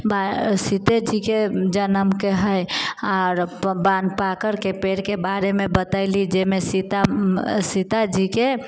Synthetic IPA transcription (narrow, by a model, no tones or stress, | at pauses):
basit̪ed͡ʒiked͡ʒənəmkeɦəjaɾbanpakəɾkepeɽkebaɾemebət̪aɪlid͡ʒemesit̪asit̪ad͡ʒike